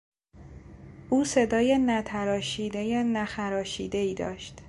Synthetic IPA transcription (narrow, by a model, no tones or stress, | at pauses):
ʔuːse̞d̪ɒːjenæt̪ʰæɾɒːʃiːd̪ejenæxæɾɒːʃiːd̪e̞iːd̪ɒ̰ːʃt̪